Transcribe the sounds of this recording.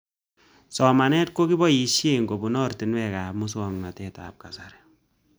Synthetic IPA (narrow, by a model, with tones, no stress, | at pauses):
sɔ˨ma˨nɛ˦t̚ko˦ki˦bɔ˦i˨ʃje˨ŋko˨bu˨nɔ˦rti˨nwɛ˦˨ka˨pmu˦s̬ɔ˨ŋna˨tɛta̰ːp̚ka˨saɾɛ